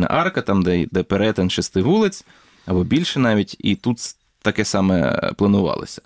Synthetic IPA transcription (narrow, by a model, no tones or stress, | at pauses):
nɐ̰ʔɑrkɐt̪ɑmd̪ɛd̪ɛpeɾɛt̪ɐnʃɪst̪ɪʋulˠɪt͡sʲ | ɐbɔbʲilʲʃɛnɑʋʲitʲḭt̪ut̪ | t̪ɐkɛsɑmɛ̰plˠɐnʊʋɑ̰lˠɪ̰sʲɐ̥